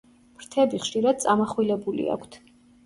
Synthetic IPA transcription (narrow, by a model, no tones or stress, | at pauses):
mɾt̪ʰɛbiχʃiɾad̪̥̚t̪sʼamaχwilɛbulḭa̰kʷʰt̪ʰ